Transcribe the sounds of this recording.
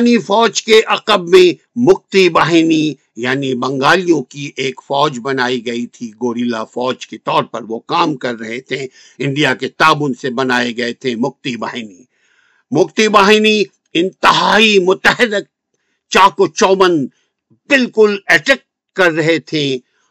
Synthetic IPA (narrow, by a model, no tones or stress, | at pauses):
nifɔːd͡ʒkeʔɐqəbmẽ | mʊq̚t̪ibaːɦɪni | jaːnibɐ̃ŋɡaːlijõkiʔeːkfɔːd͡ʒbɐnaːiɡɐit̪ʰiɡoːɾiːla̰fɔːd͡ʒket̪ɔːɾpɐɾʋokaːmkɐɾːɐɦet̪ʰẽ | ɪ̃ɳɖijaket̪aːʋʊnsebɐnaːeɡɐet̪ʰẽmʊq̚t̪ibaːɦɪni | mʊqt̪ibaːɦɪni | ɪ̃nt̪ɪɦaːimʊt̪əɦɪɾək̚ | t͡ʃaːkot͡ʃɔːʋən | bɪlkʊlɛʈɛːk̚ʈ | kɐɾːɐɦet̪ʰẽ